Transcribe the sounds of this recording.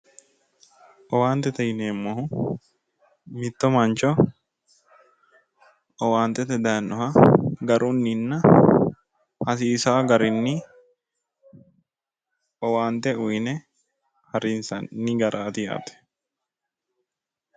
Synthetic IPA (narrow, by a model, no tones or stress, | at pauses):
ʔɔwaːnt̪ɛt̪ɐjneːmːoɦʊ | mɪt̪ːɔmɐnt͡ʃɔ | ɔwaːnt̪ɛt̪ɛd̪ɐnːɔɦɐɡɐɾʔunːɪnːɐ | hɐs̬iːsaːɡɐɾɪnːɪ | ɔwaːnt̪ɛʊjnɛ | hɐɾinsɐnnːɪɡɐɾʔaːt̪ɪja̰ːt̪ɛ̥